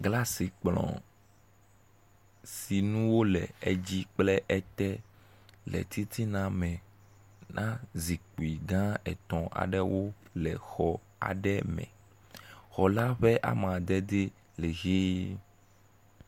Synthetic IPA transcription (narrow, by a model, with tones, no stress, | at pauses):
ɡla˦si˨k͡plɔ̰̃˨ | si˨nũ˦wo˦lɛ̰˨e˦d͡ʑi˦k͡plɛ˦ʔɛ˦t̪ɛ˦ | lɛ̰˨t̪ʰi˦t̪ʰi˦nã˦mɛ̃˨ | nʔã˦zi˨k͡pu˨i˨ɡã˦ɛ˨t̪ɔ̃˨ʔa̰˨ɖɛ˦wo˦lɛ˨xɔ˨ | a̰˨ɖɛ˦mɛ̰̃˨ | xɔ˨la˦ɸɛ˦ʔa̰˨mã˨d̪ɛ˦d̪e˦ | le˨ɣe˦